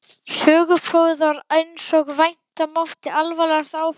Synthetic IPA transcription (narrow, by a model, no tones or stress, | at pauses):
sœːɣʏpʰɾoːwðɔɾejnsɔkvajn̥t̪amɔft̪ɪalvalɛɣasaːw